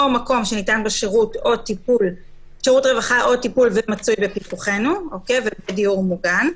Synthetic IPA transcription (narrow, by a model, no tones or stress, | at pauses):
omako̞mʃenitanbeʃeʁuto̞tipul | ʃeʁutʁevaχaʔo̞tipulvemat͡sujbe̞pikuχe̞nuo̞ke̞jvebediuʁmuɡan